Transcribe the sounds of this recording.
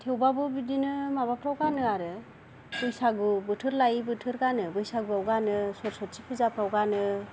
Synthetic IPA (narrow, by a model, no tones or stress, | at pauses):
tʰewbabɯbidinɯmaβapʰɾawɡanɯaɾɯ | b̥ɯjsaɡubɯtʰɯɾlajibɯtʰɯɾɡanɯbɯjsaɡubawɡanɯsɔɾsɔt̚t͡ʃipʰɯzapʰɾawɡanɯ